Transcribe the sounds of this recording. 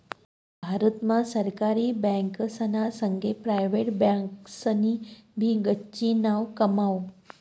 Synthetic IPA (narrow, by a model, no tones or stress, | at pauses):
bʱaɾət̪mãsəɾkaɾiːbɛ̃ŋksənasəŋɡʱepɾajʋeʈbãksənibʱiːɡətːɕiːnaʋkəmaʋ